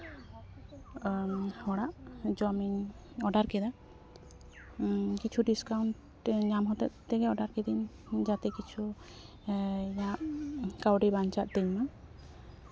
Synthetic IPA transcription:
hɔɽaʔd͡ʒɔmiɲ | ɔɖaɾkɛd̪a | kit͡ʃʰuɖiskawɳʈ | ɲamɦɔt̪ɛʔ̪t̪ɛɡɛɔɖaɾkɛd̪in | d͡ʒat̪ɛkit͡ʃʰu | ijãʔkawɖibaɲt͡ʃaʔ̪̚t̪ɛɲma

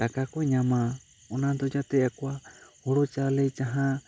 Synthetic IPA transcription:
t̪akakɔɛɲama | ɔnad̪ɔd͡ʒat̪ɛʔakoahɔɽɔt͡ʃalɛjt͡ʃaɦã

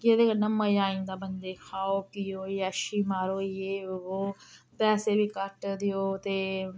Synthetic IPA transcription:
kɪed̪eːknəməjaːĩːnd̪aːbənd̪eːkʰaːoːkiːoːiːʃiːmaːɾoːieːoːpɛːseːbiːkəʈd̪ɪoːt̪eː

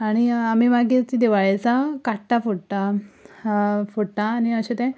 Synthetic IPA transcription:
aɽ̃iamimaɡit̪id̪iʋaɭat͡sakaʈːafuɽt̪a | fuɽʈ̪aːniəɕet̪ɛ̃

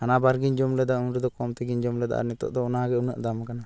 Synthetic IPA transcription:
anabaɾɡiɲd͡ʒɔmlɛd̪aunɾɛd̪ɔkɔmt̪ɛɡiɲd͡ʒɔmlɛd̪a̰ʔa̰nɛt̪ɔ̰ʔd̪ɔɔnaɡɛuna̰ʔd̪amakana

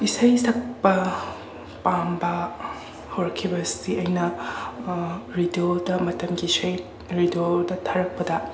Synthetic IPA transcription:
isɐjsɐk̚pɐ | pambɐ | hoɾɐkʰːibɐsiɐjnɐ | ɾidiodɐmɐtɐmɡiːsɐj | ɾidodɐtʰaɾɐk̚pɐdɐ

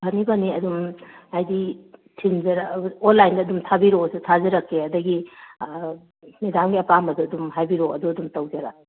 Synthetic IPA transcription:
bʰʱɐnibɐniɐdumajditʰimzɐɾonlːajndɐːdumtʰabiɾosutʰazɐɾɐkːeɐdɐɡi | medamɡiɐpamɐduɐdumɦajbiɾoɐduɐdumtɐwzɐɾa

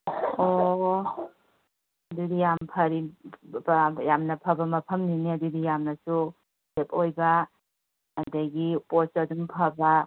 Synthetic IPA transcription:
o | ɐduɡijampʰɐɾi | jamnɐpʰɐbɐmɐpʰɐmniniɐduɡijamnɐsu | sepojbɐː | dɐɡiposɐduŋpʰɐba

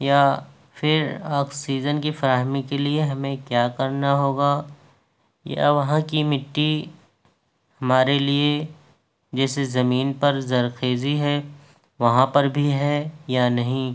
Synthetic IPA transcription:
ja | fɪɾaːksiːzənkifɐɾaːɦmikelieɦɐmẽkjaːkɐɾnaɦoːɡaː | ja̰ʋɐɦãkimɪʈːi | hɐmaːɾelie | d͡ʒɛːsezɐmiːnpɐɾzɐɾxeːziɦɛ | ʋɐɦãpɐɾbʱiɦɛjanɐɦĩ

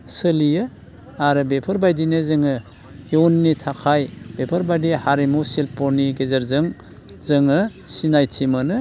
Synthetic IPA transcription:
səlijɯ | aɾɯbepʰɐɾbajdinezɯŋɯ | wnːitʰakʰajbepʰɐɾbajdihaɾimusilpɔɾniɡezɐɾzɯŋ | zɯŋɯsinajtʰimanɯ

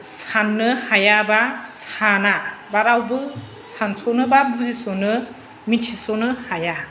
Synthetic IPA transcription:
sanːɯhajabasanabaɾawbɯ | sansonɯbabuzisonɯ | mitʰisɔnɯhaja

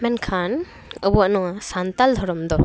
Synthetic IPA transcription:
mɛnkʰan | əbuanɔasant̪ald̪ʱɔɾɔmd̪ɔ

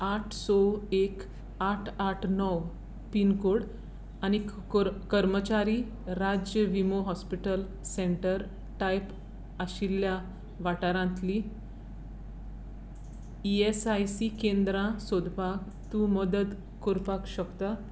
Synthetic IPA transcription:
aʈʰsɔek | aʈʰaʈʰnɔw | pinkoɽ | añi | okəɾmət͡ɕaɾi | ɾad͡ʑjəʋimoɦɔspiʈəl | seɳʈəɾ | ʈajp | aɕilja | ʋaʈaɾãnt̪li | iesajsikend̪ɾãsod̪ʱpak | t̪ũməd̪əd̪ | koɾpakɕəkt̪a

